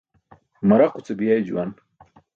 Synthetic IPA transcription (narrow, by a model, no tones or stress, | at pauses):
mɐɾaqut͡sebijajd͡ʑuwan